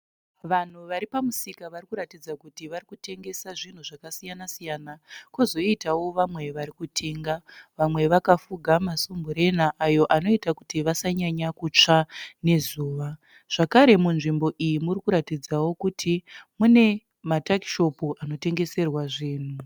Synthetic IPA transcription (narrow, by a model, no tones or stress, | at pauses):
ʋan̤uʋaɾipamusikaʋarikuɾatid͡zakutiʋarikute̞ŋɡe̞saʐin̤uʐakasijanasijanakozo̞itawo̞ʋamwe̞ʋaɾikutʰeŋɡaʋamwe̞ʋakafuɡʱamasumbuɾe̞naʔajo̞ʔano̞itakutiʋasaɲaɲakut͡ʂane̞zuːʋa | ʐ̥akaɾe̞munʐimbo̞ʔijimurikuɾatid͡zawo̞kutʰimune̞ | mataki̥ʃo̞puʔano̞te̞ŋɡe̞se̞rwaʐiːn̤u